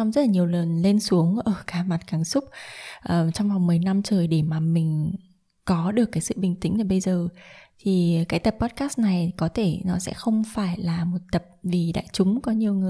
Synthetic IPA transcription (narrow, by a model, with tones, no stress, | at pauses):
ɔ˧wŋ͡mzə˦˥t̚laː˨˩ɲi˨˩əwlə˨˩nle˧nsu˨˦əŋʔəː˧˩kaː˨˧˦ma˨˩t̚kaː˨˩ŋsʊ˦˥k͡p̚ʔəː˨˩t͡ɕɔ˧wŋ͡mva˨˩wŋ͡mmɨ˨˩əjna˧mt͡ɕəː˨˩jɗe˧˩maː˨˩mï˨˩ŋ̟ | kɔ˨˦ɗɨ˨˩əkːaː˨˦jsɨ̰˧˨ɓï˨˩ŋ̟t̪ï˨˦ŋ̟laː˨˩ɓə˧jzəː˨˩t̪ʰi˨˩kaː˨˦jt̪ə˨˩pːɔ˦˥t̚kaː˦˥st̚na˨˩jkɔ˨˦t̪ʰe˧˩nɔ˨˦sɛ̰˧˥xə˧wŋ͡mfaː˧˩jlaː˨˩mo˨˩t̚t̪ə˨˩p̚vi˨˩ɗa̰ː˧˨jt͡ɕʊ˨˦ŋ͡mkɔ˨˦ɲi˨˩əwŋɨ˨˩əj